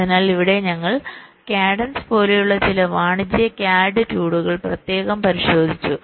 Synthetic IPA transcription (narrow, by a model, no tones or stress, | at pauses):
ðinaːliʋiɽe̞ɲɐŋːɐɭ | kjaːɖɐnspo̞ːle̞juɭːɐt͡ɕilɐʋaːɳid͡ʑijɐkjaːɖɨtuːɽuɣɐɭprɐt̪je̞ːɣɐmpɐɾiɕo̞ːd̪ʱit͡ɕːu